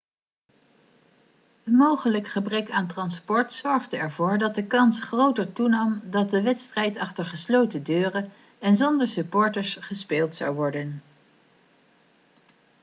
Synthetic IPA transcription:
ənmowχələkχəbrɛkaːntrɑnspɔɹtsɔɹχdəɛɹvʊːɹdɑt̚dəkɑnsχrowtəɹtunɑmdɑt̚dəʋɛtstrɛjtɑχtəɹχəslowtədøːrə | ɛnzɔndəɹsypːʊːɹtəɹsχəspeːlˠtsɑ̰wʋɔɹdən

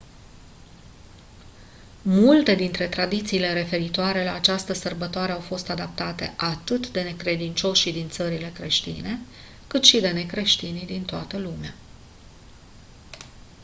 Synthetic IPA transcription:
mult̪e̞d̪int̪ɾe̞t̪ɾad̪it̪siːle̞ɾe̞fe̞ɾit̪oaɾe̞laːt͡ʃast̪əsərbət̪oaɾe̞awfo̞st̪ad̪ap̚t̪at̪e̞̰ʔat̪ɨt̪d̪e̞ne̞kɾe̞d̪int͡ʃo̞ʃid̪int̪səɾile̞kɾe̞ʃt̪ḭne̞ | kɨt̪ʃid̪e̞ne̞kɾe̞ʃt̪inid̪int̪oat̪əlumea

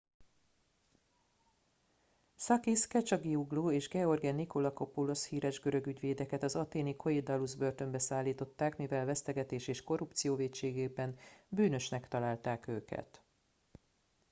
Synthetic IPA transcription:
sɒkiskɛt͡ʃɒɡiuɡloːeːʒɡɛo̞rɡɛnːiko̞lɒkopulo̞shiːɾɛʒɡø̞ɾø̞ɡyɟʋeːd̪ɛkɛt̪ɒzɒt̪eːnikʰo̞ed̪ɒluzbø̞rt̪ø̞mbɛsaːlːiːt̪o̞t̪ːaːkmivɛlvɛst̪ɛɡɛt̪eːʃeːʃko̞rupt̪sijoːveːcʃeːɡeːbɛnbyːnø̞ʃnɛkt̪ɒlaːlt̪aːkøːkɛ̰t̪

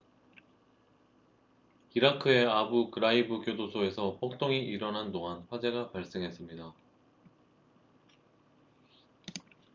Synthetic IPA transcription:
iɾakʰɯe̞abukɯɾaibɯkjodosʰoe̞sʰʌpʰok̚t͈ʰoŋiʔiɾʌnɦandoŋanɸwad͡ʑe̞ɡapaɭs͈eŋɦe̞s͈ɯmɲida

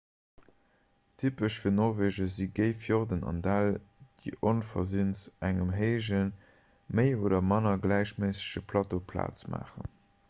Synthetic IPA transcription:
tʰipəʃfiːɐnɔʁveːʒɐziɡəɪfjoʁdənɑ̰ndald̥iːʔonfɐzinsʔæŋəmɦeɪʒən | məɪoːdɐmɑnɐɡlæɪɕmeːsə̥ɕəpʰlɑtopʰla̰ːt͡smʔa̰ːχə̰n

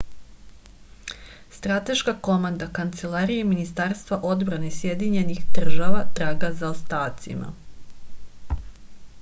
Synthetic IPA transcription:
st̪ɾat̪e̞ʃkako̞mand̪akant̪se̞lˠaɾijeminist̪aːɾst̪vʋaʔo̞d̪bɾanesje̞d̪iɲe̞nixd̪r̩ʒaʋat̪ɾaːɡazaost̪aːt̪sḭma̰

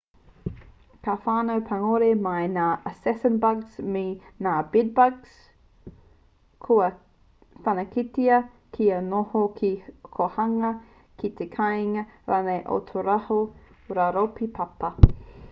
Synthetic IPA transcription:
kʰafaːnowpʰɐŋoɾemɐjnaːʔəsɛsənbɐɡsmenaːbid̚bɐɡs | kʰoɐ | fɐnɐkitiɐ | kʰiɐnohokʰikʰohɐŋɐ | kit̪ekʰajŋɐɾanejʔo̰t̪ʰoɾahoɾaɾopipʰɐpɐ

